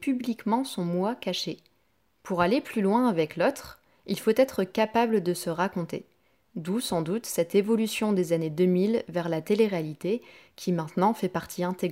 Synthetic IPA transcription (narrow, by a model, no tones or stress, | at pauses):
pyblikmɑ̃sɔ̃mwakaʃe | puʁaleplylwɛ̃avɛklot̪χ | ilfot̪ɛt̪χəkapabləd̪əsəʁakɔ̃t̪ḛ | d̪usɑ̃d̪ut̪sɛt̪evɔlysjɔ̃d̪ezaned̪əmilvɛʁlat̪eleʁealit̪e | kʲʰimɛ̃t̪nɑ̃fɛpaʁt̪ʰiɛ̃t̪eɡ